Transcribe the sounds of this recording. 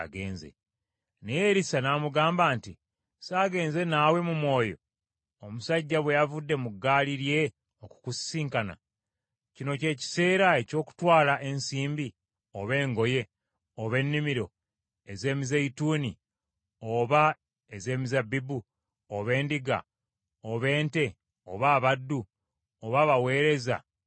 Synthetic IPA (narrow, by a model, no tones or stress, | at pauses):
aɡeːnzḛ | nejeɾisanamuɡaːmbaːnti | saːɡe̞ːnze̞naːwe̞mumwo̞ːjo̞̰ | omusaɟːaβwe̞javudːe̞muɡaːliɾje̞ | oku̥kussiːŋkana̰ | cino̞ce̞ːci̥se̞ːɾae̞co̞ːku̥twaːlaʔe̞nsiːmbi | oβe̞ːŋɡo̞je̞ | oβe̞nːimiɾo̞ | eze̞ːmizeituːni | oβa | eze̞ːmizabibu | oβe̞ːndiɡa̰ | oβe̞ːnte̞ | oβaːβadːu | oβaːβawe̞ːɾe̞za̰